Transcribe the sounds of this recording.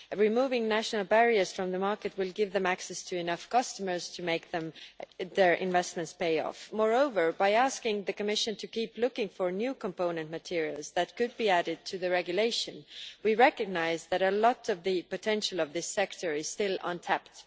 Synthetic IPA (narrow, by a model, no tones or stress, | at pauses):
ɹimuvɪ̃ŋnæʃnl̩ˠbɛɹiə˞z̥fɹʌ̃mðəmɑɹkɨt̚wɪlˠɡɪvðɨ̃mæksɛstʰɨɨnʌfkʰʌstəmə˞z̥tʰɨmeɪk̚ðɨ̃mðə˞ʔɪ̰̃ɱvɛstmɨ̃ntspeɪɔ̰fmɔɹoʊvə˞baɪæskɪ̃ŋðɨkɨmɪʃɨ̃ntʰɨkiplʊkɪ̃ŋfə˞njʉkʰə̃mpõʊ̃nɨ̃ntmɨtʰɪɹil̩ˠzðɨt̚kɨd̚biæɾɨd̚tʰɨðɨɹɛɡjɨleɪʃɨ̃nwiɹɛkɨɡ̚naɪzðɨɾəlɔɾʌvðɨpɨtʰɛ̃nʃl̩ˠʌvðɪsɛktʰə˞ɨz̥stɪlʌ̰̃ntʰæpt